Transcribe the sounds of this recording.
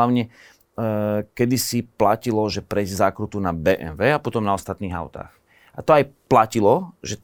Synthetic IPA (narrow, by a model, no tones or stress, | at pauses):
aʊɲɛ | kɛd̪isiplacilɔʒɛpɾɛjzzaːkɾut̪unabɛːʔɛ̰nʋɛːapɔt̪ɔmnaɔst̪at̪niːɦa̰ʊt̪a̰ːx | a̰t̪ɔajplacilɔʒɛ